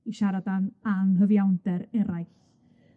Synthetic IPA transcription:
iʃaɾadanaŋɦəvjawndɛɾɛɾajθ

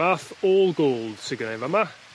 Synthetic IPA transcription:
aθɔːlˠɡoːlˠd̥sɪɡənejvama

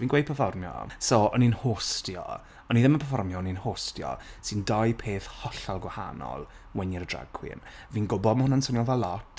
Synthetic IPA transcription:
viːnɡwejpʰəfɔrmjɔ̰soɔninhoːstjɔ̰ | ɔniðəməpʰəfɔrmjɔninhoːstjɔ̰sɨndajpʰeːθhɔɬalˠɡwaha̰nɔ̰lˠ | wɛnɪɾədra̰ɡ̥ʰwɪ̰nviːnɡʊbɔdmhʊnansʊnjɔvɛlˠːɔtʰ

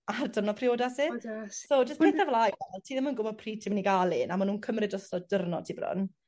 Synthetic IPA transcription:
ardərnɔpʰrɪoːdasisod͡ʒəstpʰetθavlajwɛlˠtʰiːðɪmənɡʊbɔd̚pʰriːtʰimniɡalˠɪnamanuːnkʰəmrɨdɔstɔdərnɔtʰiːbrʊ̰n

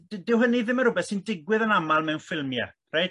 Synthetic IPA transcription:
dɪwɦəniðɪməɾʊbɛθsindɪɡwɨðənamalˠmɛwnfɪlˠmja̰ | rejt

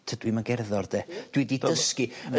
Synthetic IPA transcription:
tʰəd̥wiməɡɛrðɔrd̥ed̥wididəskiə

